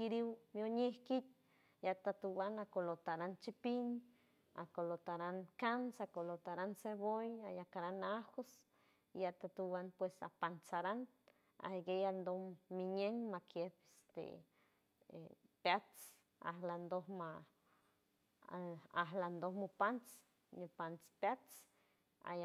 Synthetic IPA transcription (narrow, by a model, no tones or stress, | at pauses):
kiɾiwmjoɲehkit̪̚ | jat̪at̪uwanakolot̪aɾant͡ʃipiɲ | a̰kolot̪aɾankansakolot̪aɾansebojajakaɾanaxos | jat̪at̪uwanpwesa̰pansaɾan | a̰ɡejand̪ohmiɲeŋmakjebest̪ḛ | pjat͡s | a̰ɦland̪ohma | aɦland̪ohmupant͡s | ɲupant͡spat͡s | a̰j